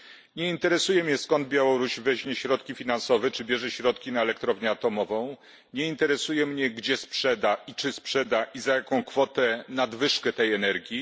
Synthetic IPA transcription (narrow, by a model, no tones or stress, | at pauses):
ɲɛint̪ɛɾɛsujɛmɲɛskɔnd̪̚bjawɔɾuɕvɛʑɲɛɕɾɔt̪kʲifʲinansɔvɛt͡ʂɘbʲjɛʐɛɕɾɔt̪kʲinaɛlɛkt̪ɾɔvɲɛat̪ɔmɔvɔ̃w̃ | ɲɛint̪ɛɾɛsujɛmɲɛɡd͡ʑɛspʂɛd̪aʔit͡ʂɘspʂɛd̪aʔizajakɔ̃w̃kfɔt̪ɛnad̪vɘʂkɛt̪ɛjɛnɛɾɡʲji